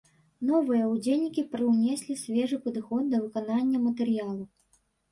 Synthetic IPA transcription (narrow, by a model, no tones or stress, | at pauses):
nɔvɨjɐud͡zʲelʲnʲikʲipɾɨwnʲɛsʲlʲisʲvʲɛʐɨpɐd̪ɨxɔd̪̚ːɐvɨkananʲːɐmɐt̪ɛɾjalˠu